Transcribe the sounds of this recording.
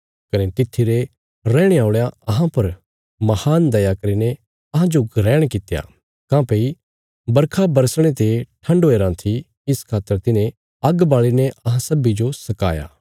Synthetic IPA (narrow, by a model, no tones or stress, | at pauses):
kɐnet̪ɪt̪ʰːiɾe | ɾɛ̃ːɽ̃eaːʊɭjaɐɦãpɐɾ | mɐhaːnd̪ɐjakɐɾine | ɐɦãd͡ʒoɡʱɐɾɛːɽ̃kɪt̪ja̰ː | kãːpeːi | bɐɾkʰabɐɾsɽ̃et̪eʈʰɐ̃ɳɖoːeːɾãːt̪ʰi | ɪskʰaːt̪ːəɾt̪ɪnẽ | ɐɡbaːɭineʔɐɦãsɐbid͡ʒosɐka̰ːja̰ː